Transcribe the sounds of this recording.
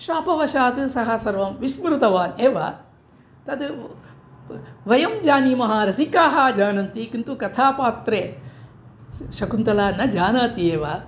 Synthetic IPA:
ʃaːpɐʋɐʃaːt̪ɨsɐɦɐsɐɾʋɐmʋismɾut̪ɐʋaːneːʋɐ̰ | t̪ɐd̪ | ʋɐjɐmd͡ʒaːnimɐɦaːɾɐsikaːɦaːd͡ʒaːnɐnt̪ikint̪ukɐt̪ʰaːpaːt̪ɾeː | ʃɐkunt̪ɐlaːnɐd͡ʒaːnaːt̪ieːʋɐ

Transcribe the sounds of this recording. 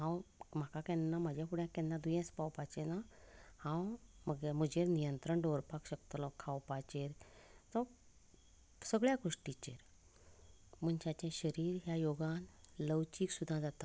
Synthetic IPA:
ɦãwm̤akakɛ̃nːamad͡ʑʱjãpuɽjãkɛ̃nːad̪ujɛ̃spawpat͡ɕenahãwməɡm̤əd͡ʑeɾnijənt̪ɾəɳɖoɾpakɕəkt̪lɔkʰawpat͡ɕeɾt̪ə̃ | səɡɭjaɡoʂʈit͡ɕeɾ | m̤əɳt͡ɕãt͡ɕɛ̃ɕəɾiːɾɦjajoɡãnləwt͡ɕiːksud̪ʱːãd͡zat̪a

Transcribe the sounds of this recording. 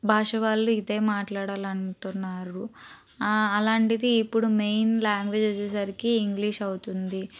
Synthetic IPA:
bʱaːʂɐʋaːluid̪e̞ːmaːʈlaːɽaːlɐɳʈunːaːɾu | ɐlaːɳʈid̪iːpːuɽumejnlaːŋɡʋe̞ːd͡ʒɐt͡ʃːɛsɐɾikiːŋɡliːʂɐwut̪und̪i

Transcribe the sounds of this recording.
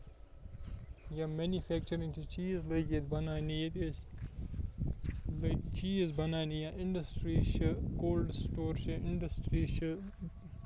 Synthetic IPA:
jamɛnifɛːk̚t͡ʃɐɾĩŋt̪ʰut͡ʃiːzləɡet̪bɐnaːnit̪es | lt͡ʃiːzbɐnaːnijaʔɪ̃ɳɖəsʈɾiʃəkoːlɖsʈoːɾʃaɪ̃ɳɖəsʈɾiʃə

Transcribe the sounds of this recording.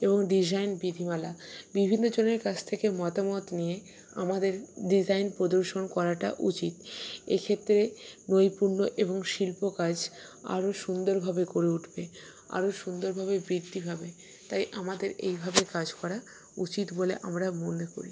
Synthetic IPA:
eboŋɖid͡ʑajnbid̪ʱimalabibʱinːod͡ʑoneɾkat͡ɕʰt̪ʰekemɔt̪amɔt̪nije | a̰mad̪eɾɖid͡ʑajnpɾod̪oɾʃonkɔɾaʈa̰ʔut͡ɕit̪ekʰet̪ːɾenojpuɾnoʔeboŋʃilpokad͡ʑʱa̰ɾoʃund̪oɾbʱabekoɾeuʈʰbe | a̰ɾoʃund̪oɾbʱabebɾid̪ʱːibʱabe | t̪ajʔamad̪eɾḛjbʱabekad͡ʑkɔɾa | ut͡ɕit̪boleʔamɾamoneko̰ɾi

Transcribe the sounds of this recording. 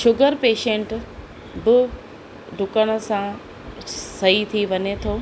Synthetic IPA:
ʃʊɡəɾpeːʃẽːɳʈ | bɪ | ɖʱʊkəɽ̃ʊ̆sã | sɐɦit̪ʰiʋɐɲet̪ʰoː

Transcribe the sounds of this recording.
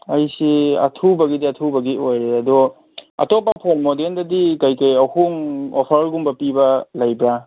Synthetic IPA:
ajsiɐ̰tʰubɐɡidiɐtʰubɐɡiʔojɾeɐdɔ | ɐ̰topːɐpʰoŋmodendɐdikajkajɐwhuŋopʰaɾlɡumbɐpibɐlɐjbɾa

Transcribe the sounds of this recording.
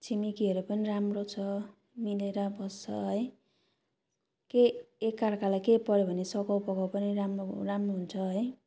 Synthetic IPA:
t͡sʰimikiɦʌɾupʌniɾamrot͡sʰʌ | mileɾʌbʌst͡sʰʌɦʌj | keekːarkalajkepʌɾjobʱʌnesʌkʌwpʌkawpʌniɾamroramroɦunt͡sʰʌɦʌj

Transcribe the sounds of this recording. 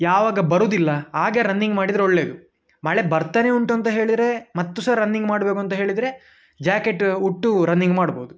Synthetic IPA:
jaːʋaːɡɐbɐɾuːd̪ilːɐaːɡɐɾɐnːiŋɡmaːɽid̪ɾeoɭːe̞ːd̪u | maːɭebɐɾt̪ɐːneuɳʈuɐnt̪ɐɦe̞ːɭid̪ɾe̞mɐt̪ːusɐɾɐnːiŋɡmaːɽbeːkuɐnt̪ɐɦe̞ːɭid̪ɾe̞ | d͡ʒaːke̞ʈuʈːuɾɐnːiŋɡmaːɽboːd̪u

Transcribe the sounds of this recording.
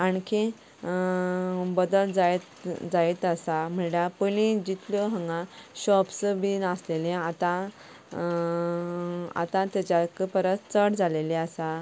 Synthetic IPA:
aɳkʰẽ | bəd̪əld͡zaet̪d͡zajt̪əsam̤əɳɽapəlĩd͡ʑit̪lɔɦə̃ŋɡãɕɔpsbinaslelẽat̪ã | a̰t̪ãt̪at͡ɕakəpəɾət̪t͡səɽd͡zʱalelẽasa

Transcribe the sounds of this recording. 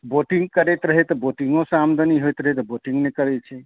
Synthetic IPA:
boʈiŋɡ̚kəɾɛt̪ɾəɦɛt̪ɔboʈiŋɡõsamd̪ʱəniɦojt̪ɾəɦet̪ɔboʈiŋɡnekəɾɛt͡ʃʰɛ

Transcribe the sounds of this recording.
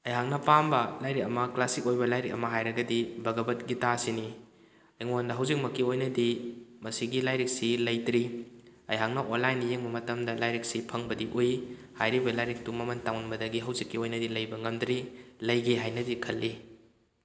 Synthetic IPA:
ɐjɦaŋnɐpambɐlajɾik̚ɐmɐklasikojbɐlajɾikɐ̰mɐɦajɾɐɡɐdibɐɡɐbɐt̚ɡitasini | iŋondɐɦɐwzik̚mɐkːiojnɐdimɐsiɡilajɾik̚silɐjdɾiɐjɦaŋnɐʔonlːajnijeŋbɐmɐtɐmdɐlajɾik̚sipʰɐŋbɐdiʔoj | hajɾibɐlajɾik̚tumɐmɐntaŋnbɐdɐɡiɦɐwzikːiojnɐdilɐjbɐŋɐmdɾilɐjɡiɦajnɐdikʰɐlːi

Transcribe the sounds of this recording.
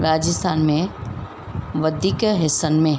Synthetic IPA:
ɾaːd͡ʑɪst̪ʰaːnmẽ | ʋɐd̪ʱiːkɦɪsənmẽ

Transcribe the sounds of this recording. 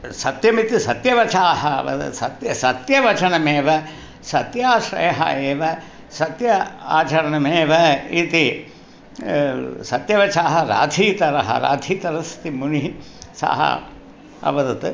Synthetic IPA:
sɐt̪jɐmit̪isɐt̪jɐʋɐt͡ʃaːɦɐɐʋɐ̰t̪ɐ̰sɐ̰t̪jɐsɐt̪jɐʋɐt͡ʃɐnɐmeːʋɐ | sɐt̪jaːʃɾɐ̰jɐɦɐ̰eːʋɐ | sɐt̪jɐa̰ːt͡ʃɐɾɐnɐmeːʋɐit̪i | sɐt̪jɐʋɐt͡ʃaːɦɐɾa̰ːd̪ʱiːt̪ɐɾɐɦɐ̰ɾa̰ːd̪ʱiːt̪ɐɾɐst̪imuni | sa̰ɦɐ̰ | ɐ̰ʋɐd̪ɐt̪

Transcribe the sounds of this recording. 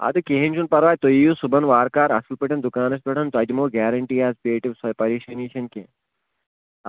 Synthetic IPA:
ɐ̰d̪ɨkeɦent͡ʃʰunpɐɾʋaːjt̪ojijusubɐnʋaːɾkaːɾɐ̰sɐlpɐʈʰɐnd̪ukaːnɐs̬pɐʈɐnt̪ɐd̪ʲimoːɡɛːɾɐɳʈiːaːzpeːʈiʋsɐpɐɾiːʃɐniːʃɐnkḛ

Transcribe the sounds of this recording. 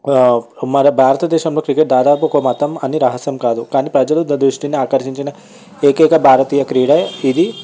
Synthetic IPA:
mɐɾɐbʱaːɾɐt̪ɐd̪eːʃɐmlokɾikeʈ̚d̪aːd̪aːpukomɐt̪ɐmɐnːiɾɐɦɐsjɐmkaːd̪ukaːnipɾɐd͡ʒɐlud̪d̪ɾuʂʈiniaːkɐɾʃiɲt͡ʃinɐ | eːkeːkɐbʱaːɾɐt̪iːjɐkɾiːɽɐid̪i

